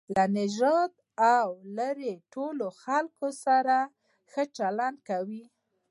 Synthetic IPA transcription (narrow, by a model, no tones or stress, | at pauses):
lanɪʒɑd̪ | awləɾeʈoloxalkosaɾa | xət͡ʃalanɖ̪̚kawi